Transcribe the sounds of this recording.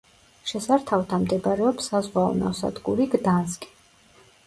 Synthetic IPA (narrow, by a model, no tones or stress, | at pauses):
ʃɛsaɾt̪ʰavt̪ʰamd̪ɛbɾɛɔpsazʁwaɔ̰na̰sa̰d̪ɡʼuɾiɡd̪anzkʼi̥